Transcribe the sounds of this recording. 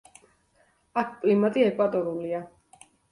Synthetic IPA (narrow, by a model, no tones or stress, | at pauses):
akʰpʼlimat̪ʼiɛkʼwad̪ʼɔɾulia